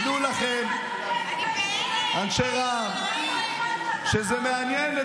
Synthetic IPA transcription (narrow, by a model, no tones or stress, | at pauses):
d̪ulaχem | anʃeʁa | ʃezemeanjene